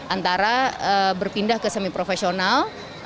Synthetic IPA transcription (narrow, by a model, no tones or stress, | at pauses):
ʔant̪aɾaəbərpindahkəsəmipɾofesional